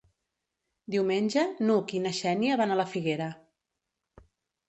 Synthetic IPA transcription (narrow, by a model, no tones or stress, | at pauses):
d̪iwmenʲʒənukinəʃɛniəβanaləfiɣeɾə